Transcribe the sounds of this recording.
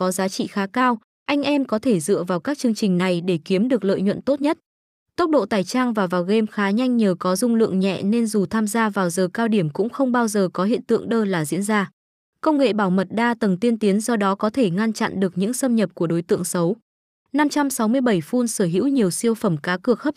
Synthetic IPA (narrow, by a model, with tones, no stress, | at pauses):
kɔ˨˦zaː˨˦t͡ɕḭ˧˨xaː˨˦kaː˧w | ʔa˧jŋ̟ʔɛ˧mkɔ˨˦t̪ʰe˧˩zɨ̰˧˨əvaː˨˩wkaː˦˥k̚t͡ɕɨ˧əŋt͡ɕï˨˩ŋ̟na˨˩jɗe˧˩ki˨˦əmɗɨ˨˩ək̚lə̰ː˧˨jɲwə̰˧˨nt̪o˦˥t̚ɲə˦˥t̚ | t̪ə˦˥wk͡p̚ɗo̰˧˨t̪aː˨˩jt͡ɕaː˧ŋvaː˨˩vaː˨˩wɣe˧mxaː˨˦ɲa˧jŋ̟ɲəː˨˩kɔ˨˦zʊ˧ŋ͡mlɨ̰˧˨əŋɲɛ̰˧˨ne˧nzu˨˩t̪ʰaː˧mzaː˧vaː˨˩wzəː˨˩kaː˧wɗi˧˩əmkʊ̰˧˥ŋ͡mxə˧wŋ͡mɓaː˧wzəː˨˩kɔ˨˦hḭ˧˨ənt̪ɨ̰˧əŋɗəː˧laː˨˩zḭ˧˥ənzaː˧ | kə˧wŋ͡mŋḛ˧˨ɓaː˧˩wmə˨˩t̚ɗaː˧t̪ə˨˩ŋt̪i˧ənt̪i˨˦ənzɔ˧ɗɔ˨˦kɔ˨˦t̪ʰe˧˩ŋa˧nt͡ɕa̰˧˨nɗɨ˨˩ək̚ɲɨ̰˧˥ŋsə˧mɲə˨˩p̚ku˧˩əɗo˨˦jt̪ɨ̰˧˨əŋsə˨˦w | na˧mt͡ɕa˧msa˨˦wmɨ˧əjɓə˧˩jfu˧nsəː˧˩ɦḭ˧˥wɲi˨˩əwsi˧əwfə˧˩mkaː˨˦kɨ˨˩ək̚hə˦˥p̚